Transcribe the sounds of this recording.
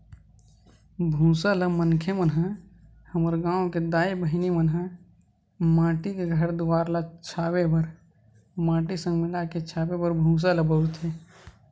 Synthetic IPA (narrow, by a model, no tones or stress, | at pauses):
bʱũːsaləmənkʰemənɦã | həməɾɡãːõked̪aːibəɦɪnimənɦã | mãːʈikeɡʱəɾd̪ʊwaːɾlat͡ʃʰaːwebəɾ | mãːʈisə̃ŋɡmɪlaket͡ʃʰaːbebəɾbʱũːs̬aləbəɾt̪ʰe